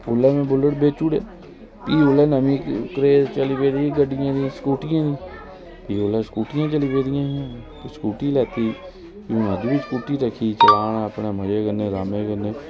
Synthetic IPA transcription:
ʊleːmẽːbʊləʈbeːt͡ʃuːɽḛː | piːʊleːnəmĩːkkɾeːt͡ʃəlipeːd̪iɡəɖɪjãːd̪ĩskuːʈɪjãːd̪ĩː | piːʊleskuːʈɪjãːt͡ʃəliːpeːd̪ɪjãː | skuːʈiːlɛːt̪iː | jũːnəd͡ʒbiskuːʈiɾəkʰiːt͡ʃəlaːnaəpneːməd͡ʒeːɡəneːɾaːmeːɡənːeː

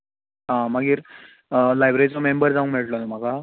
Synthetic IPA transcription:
ɦãmaɡiːɾ | lajbɾeɾit͡sɔmembəɾd͡zaʋəŋkmeɭʈlonəm̤aka

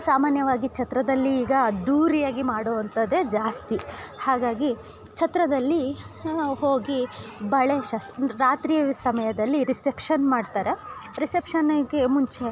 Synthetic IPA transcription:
saːmaːnjɐʋaːɡit͡ʃʰɐt̪ɾɐd̪ɐlːiːɡɐd̪uːɾijaːɡimaːɽoːʋɐnt̪ɐd̪e̞d͡ʒaːst̪ihaːɡaːɡi | t͡ʃʰɐt̪ɾɐd̪ɐlːi | hoːɡibɐɭeʃaːsɾaːt̪ɾisɐmɐjɐd̪ɐlːiɾisʈepʂɐnmaːɖt̪aːɾeɾisepʂɐnɡemuɲt͡ʃe

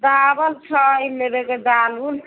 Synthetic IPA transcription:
d̪abəlt͡ʃʰəjmeɾeked̪alul

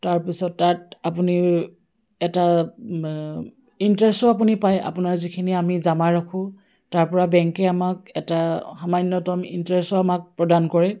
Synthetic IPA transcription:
taɹpisɔtːatapuni | ɛta | intɹɛstɔap̬unipaja̰punaɹzikʰiniamizamaɹakʰʊ̃ | taɹpɔɹabɛŋkɛamakɛtaxamanjɔtɔmḭntɹɛstɔamak̚pɹɔdankɔɹɛ

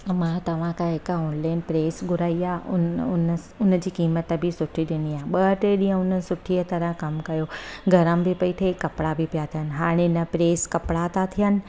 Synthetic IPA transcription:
mãt̪ɐʋ̤ãkãɦɪkoːnlaːɪnpɾeːsɡʱʊɾaːiaːʊn | ʊnə̆d͡ʑiːkiːmət̪bɪsʊʈʰiɗɪniaːɦeɓɐʈeɗĩːə̃ʊn̤ənɪ̆sʊʈʰiət̪ɐɾə̃kɐmkɐjoɡʱɐɾəmbʱɪpɐiʈ̪ʰekɐpɽabɪpijat̪ʰijənɪ̆ɦaːɽ̃enɐpɾeːskɐpɽat̪at̪ʰijənɪ̆

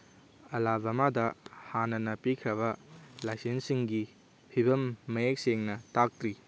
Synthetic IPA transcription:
ɐlabɐmadɐhanɐnɐpikʰɾɐβɐlajsensiŋɡi | pʰibɐmːɐjek̚seŋnɐtak̚tɾi

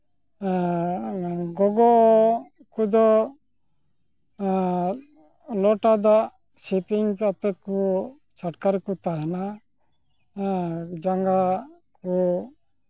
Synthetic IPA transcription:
ɡɔɡɔʔ | kud̪ɔ | lɔʈad̪aʔ | sipiŋkat̪ɛku | t͡ʃʰaʈkaɾkut̪aɦɛna | d͡ʒaŋɡa | ku

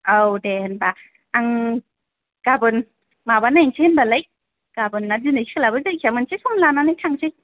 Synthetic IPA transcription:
awdɛnba | aŋ | kabɯn | mabanajŋsʰenbalaj | kabɯnːadinɯjsi̥klabɯzajkʰiamɯnsesʰɔŋnlananajtʰaŋsʰij

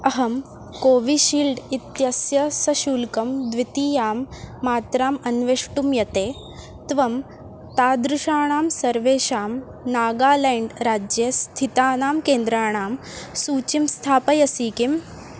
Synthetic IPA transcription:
ɐɦɐm | koːʋiʃiːlɖit̪jɐsjɐsɐʃuːlkɐmd̪ʋit̪iːjaːmːaːt̪ɾaːmɐnʋeʂʈumjɐt̪eː | t̪ʋɐm | t̪aːd̪ɾuʃaːɳaːmsɐɾʋeːʃaːm | naːɡaːleːɳɖɾaːd͡ʒjɐst̪ʰit̪aːnaːmkeːnd̪ɾaːɳaːm | suːt͡ʃimst̪ʰaːpɐjɐsiːkim

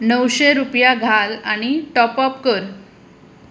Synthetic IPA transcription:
nəwɕeɾupjaɡʱalaɽ̃iʈɔpɔpkəɾ

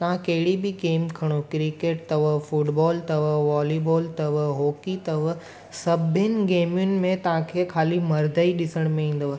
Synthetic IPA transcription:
t̪ɐʋ̤ãkɐɦɪɽibʱiɡeːmkʰɐɽ̃okɾɪkeːʈ̚t̪ɐʋəfʊʈbɔːlt̪ɐʋəʋaːlibɔːlt̪ɐʋəɦoːkit̪ɐʋə | sɐbʱɪnɪ̆ɡeːmjʊnɪ̆mẽt̪ɐɦãkʰekʰaːlimɐɾd̪ʱəiɗɪsəɽ̃mẽĩːn̆d̪ʋə

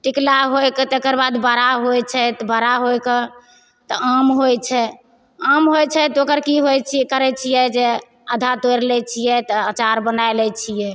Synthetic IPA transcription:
ʈiklaɦojket̪ekəɾbad̪bəɾaɦojt͡ʃʰɛt̪bəɾaɦojkə | t̪ɔamɦojt͡ʃʰɛ | amɦojt͡ʃʰɛt̪okəɾkiɦojt͡ʃʰikəɾɛt͡ʃʰijɛd͡ʒe | əd̪ʱat̪ojɾlɛt͡ʃʰijɛt̪ɔat͡ʃaɾbənajlɛt͡ʃʰijɛ

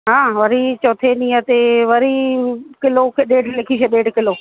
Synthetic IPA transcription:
ɦãːʋɐɾit͡ɕoːt̪ʰenĩːət̪eʋɐɾikɪlokʰeɗeːɖʱlekʰiʃeɗeːɖkɪloː

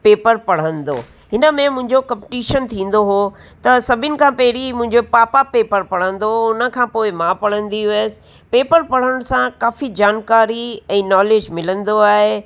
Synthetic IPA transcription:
peːpəɾpɐɽ̤ə̃nd̪o̰ː | ɦɪnə̆mẽmʊ̃ɦɪ̃ɲd͡ʑokɐmpɪʈiːʃənt̪ʰĩːn̆d̪oɦo | t̪ɐsɐbʱɪnɪ̆kʰãːpɛɦɪɾimʊ̃ɦɪ̃ɲd͡ʑopaːpapeːpəɾpɐɽ̤ə̃nd̪oʊnə̆kʰãːpoːɪmãːpɐɽ̤ə̃nd̪isɪ̥̆ | peːpəɾpɐɽ̤əɽ̃sãkaːfid͡ʑaːnkaːɾiɛ̃ːnɔːleːd͡ʑmɪlə̃nd̪oaːɦe

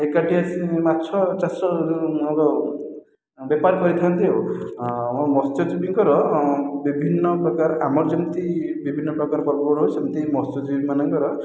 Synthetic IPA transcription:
ekaʈiasĩmatːt͡ʃʰɔt͡ʃasɔɾumɔkɔ | bepaɾkɔɾit̪ʰant̪ʰio | mɔmɔst̪ɔd͡ʒibiŋkɔɾɔbibʱinːɔpɾɔkaɾamɔɾd͡ʒɔmt̪ibibʱinːɔpɾɔkaɾɔbɔbɔbɔɽɦosemt̪imɔst̪ɔd͡ʒibimanɔŋkɔɾɔ

